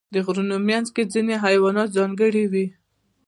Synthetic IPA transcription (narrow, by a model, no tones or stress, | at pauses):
d̪əɣɾunomjanzked͡zineɦajwɑnɑt̪zɑŋɡəɽiwi